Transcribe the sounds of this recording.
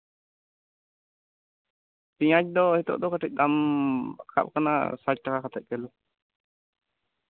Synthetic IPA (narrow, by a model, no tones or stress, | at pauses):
piɲac̚d̪ɔhit̪ɔ̰ʔd̪ɔkəʈic̚ˀd̪am | kʰa̰p̚kana̰sac̚ʈakakat̪ʰɛt̪̚kɛlu